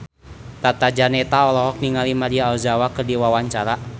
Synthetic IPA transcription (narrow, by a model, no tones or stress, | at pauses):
t̪at̪ad͡ʒanɛt̪aɔlɔɦɔk̚niŋalimadiaːlzawakɨrdiwawaɲt͡ʃaɾa